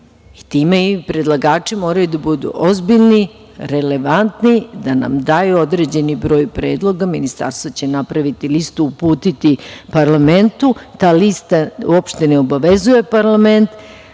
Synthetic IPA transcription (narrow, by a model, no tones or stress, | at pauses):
it̪imeipɾe̞d̪lˠaɡaːt͡ʃimo̞ːɾajud̪abud̪ṵʔozbiʎni | ɾe̞le̞ʋant̪nid̪ana̰md̪ajuo̞d̪ɾe̞d͡ʑe̞nibɾo̞ːjpɾe̞ːd̪lˠo̞ɡaminist̪a̰ɾst̪ʋat͡ɕe̞napɾaʋit̪ilist̪uːpuːt̪it̪ipaɾlame̞nt̪ut̪aːlist̪aṵopʃt̪e̞neo̞baʋezuje̞paɾlˠame̞nt̪